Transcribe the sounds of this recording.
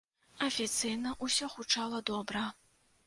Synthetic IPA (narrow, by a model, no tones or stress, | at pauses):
ɐfʲit̪sɨjnɐʔusʲɔxut͡ʂalˠɐd̪ɔbɾɐ